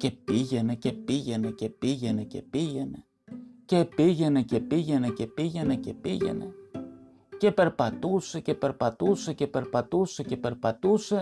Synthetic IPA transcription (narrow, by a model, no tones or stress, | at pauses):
ce̞piʝe̞ne̞ce̞piʝe̞ne̞ce̞piʝe̞ne̞ce̞̰piʝe̞ne̞ | ce̞piʝe̞ne̞ce̞piʝe̞ne̞ce̞piʝe̞ne̞ce̞piʝe̞̰ne̞̰ | ce̞pe̞ɾpɐt̪use̞ce̞pe̞ɾpɐt̪use̞ce̞pe̞ɾpɐt̪use̞ce̞pe̞ɾpɐt̪use̞